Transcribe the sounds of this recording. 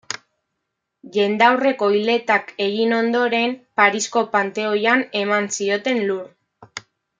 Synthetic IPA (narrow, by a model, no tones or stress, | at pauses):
ʎe̞nd̪awre̞ko̞jle̞t̪ake̞ɣino̞nd̪o̞ɾe̞mpaɾisko̞pant̪e̞o̞jane̞mansio̞t̪e̞nluɾ